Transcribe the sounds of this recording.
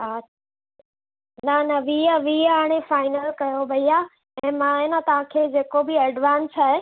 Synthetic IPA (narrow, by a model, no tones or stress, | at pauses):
a | nɐnɐʋiəʋiɦaːɽ̃efaːɪnəlkɐjobɐiaː | ɛ̃ːmãːenɐt̪ɐʋ̤ãkʰeːd͡ʑeːkobɪɐɖʋãːnsaːɦe